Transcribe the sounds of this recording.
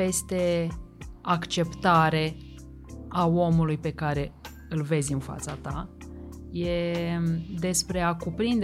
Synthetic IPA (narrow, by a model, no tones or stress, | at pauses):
e̞st̪e̞ | akt͡ʃe̞pt̪aɾe̞ | ao̞mulujpe̞kaɾe̞ | ɨlve̞zʲɨnfa̰t̪sat̪a̰ | je̞ | d̪e̞spɾe̞akupɾind̪